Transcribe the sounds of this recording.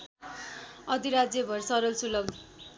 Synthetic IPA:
ʌd̪ʱiɾad͡zjʌbʱʌrsʌɾʌlsulʌb

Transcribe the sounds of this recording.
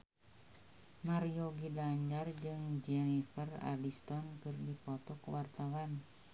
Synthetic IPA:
marioɡidaɲd͡ʒard͡ʒɨŋd͡ʒɛnifəra̰list̪ɔnkɨrdipɔt̪ɔkwart̪awan

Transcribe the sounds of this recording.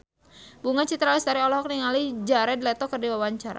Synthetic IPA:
buŋat͡ʃit̪ɾalisdaɾiɔlɔɦɔk̚niŋalid͡ʒaɾɛdlɛt̪ɔkərdiwawaɲt͡ʃaɾa̰

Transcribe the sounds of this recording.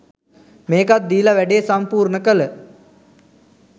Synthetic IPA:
meːkat̪̚d̪iːlaʋæɖeːsampuːɾnəkələ

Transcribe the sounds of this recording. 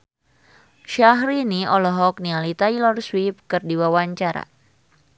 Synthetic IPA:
ʃaɦɾiniɔlɔɦɔk̚nialit̪ailɔrswip̚kɨrdiwawaɲt͡ʃaɾa̰

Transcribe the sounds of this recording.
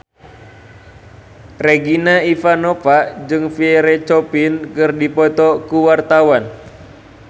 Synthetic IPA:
reɡinaifanɔpaʔd͡ʒɨŋfiɛɾet͡ʃɔpinkɨrdipɔt̪ɔkuwart̪awan

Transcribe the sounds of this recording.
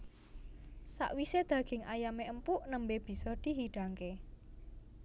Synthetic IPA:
sa̰ʔwised̪̥ä̤ɡ̥ɪ̤ŋʔajameʔəmpuʔnəmbeb̥i̤sɔd̪̥i̤ɦiɖ̥ä̤ŋke

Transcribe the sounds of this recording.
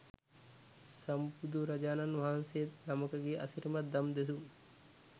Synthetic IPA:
sɐmpud̪uɾɐd͡ʒaːnanʋaɦɐnseet̪nɐmɐkɐɡeːʔɐsiɾmɐt̪̚d̪ɐmd̪es̬u

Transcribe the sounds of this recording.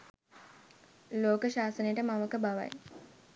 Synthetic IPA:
loːkəʃaːsənəjʈəmaməkəbaʋa̰j

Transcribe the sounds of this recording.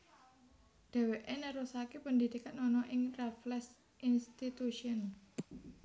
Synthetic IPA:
d̪̥a̤weʔenəɾusakepəndid̪̥i̤kanɔnɔʔɪŋraflɛs | ʔinst̪it̪uʃiən

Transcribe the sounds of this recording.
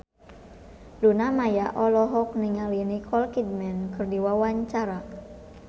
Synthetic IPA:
lunamajaʔɔlɔɦɔk̚niŋalinikʰɔlkid̚mɛnkɨrdiwawaɲt͡ʃaɾa

